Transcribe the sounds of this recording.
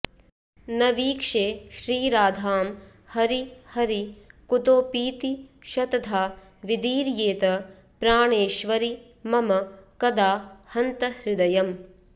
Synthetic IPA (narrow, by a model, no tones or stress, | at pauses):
nɐʋiːkʂeːʃɾiːɾaːd̪ʱaːm | hɐɾihɐɾikut̪oːpiːt̪iʃɐt̪ɐd̪ʱaː | ʋid̪iːɾjeːt̪ɐ | pɾaːɳeːʃʋɐɾi | mɐmɐkɐd̪aːhɐnt̪ɐhɾɪd̪ɐjɐm